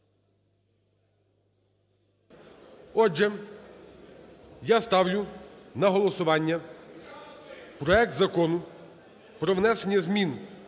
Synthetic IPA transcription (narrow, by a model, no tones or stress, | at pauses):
ɔd͡ʒɛ | jast̪ɑwlʲʊnɐɦɔlˠɔsʊʋɑnʲːɐ | pɾɔɛk̚t̪zɐkɔnʊ | pɾɔʋnɛsenʲːɐzmʲin